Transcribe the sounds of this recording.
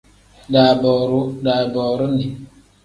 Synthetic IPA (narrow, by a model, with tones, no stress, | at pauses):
ɗa˨bɔ˨ɾu˦ɗaː˨bɔː˨ɾu˦ni˨